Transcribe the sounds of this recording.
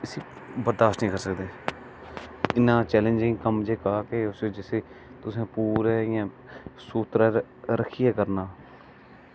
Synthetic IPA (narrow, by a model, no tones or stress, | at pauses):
ɪsiː | bəɾd̪aːʃtnĩːkəɾsək̚d̪eː | ɪnːãːt͡ʃɛːlə̃nd͡ʒɪ̃ŋɡkəmd͡ʒeːkaːkeːʊseːd͡ʒɪseːt̪ʊsẽːpuːɾɛːɪjãː | suːt̪ɾaː | ɾəkʰijeːkəɾnaː